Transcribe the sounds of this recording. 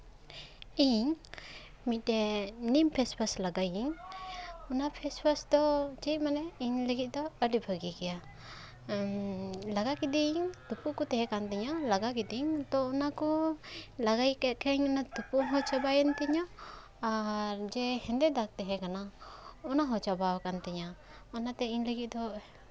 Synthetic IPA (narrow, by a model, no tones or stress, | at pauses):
iɲ | mit̚ːɛnimpʰɛspʰaslaɡajiŋ | ɔnapʰɛspʰasd̪ɔd͡ʒit̪̚manɛiɲləɡit̪̚ˀd̪ɔəɖibʱəɡikɛja | laɡakid̪iŋt̪upukɔt̪ɛɦɛkant̪ɛɲalaɡakid̪iɲt̪ɔːnakɔ | laɡajkɛt̪̚kʰɛɲɔnat̪upuɦɔt͡ʃabajənt̪ɛɲaː | ɾd͡ʒɛhɛ̃nd̪ɛd̪ak̚t̪ɛɦɛ̃kanaɔnaɦɔ̃t͡ʃabawkant̪ɛɲa | ɔnat̪ɛiɲləɡit̪̚d̪ɔ